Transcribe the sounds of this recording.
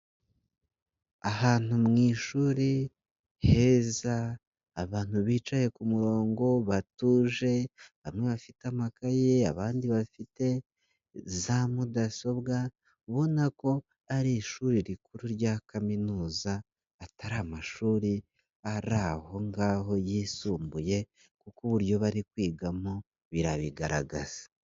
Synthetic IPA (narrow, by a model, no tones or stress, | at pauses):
ahaːn̥humŋiːʃuːɾi | he̞zaː | βaːn̥huβiːt͡ʃaje̞kumuɾo̞ːŋɡo̞βatuːʒe̞βamŋe̞βafitamakaje̞a̰βaːndiβafite̞ | zamudaso̞βɡa | βo̞nako̞ | aɾiːʃuːɾiɾikuɾuɾɟakaminuːzaː | taɾamaʃuːɾi | aɾaho̞ŋɡaːɦo̞jiːsuːmbuje̞ | kukuβuɾjo̞βaɾikwiːɡamo | βiɾaβiɡaɾa̰ɡa̰z̥ḁ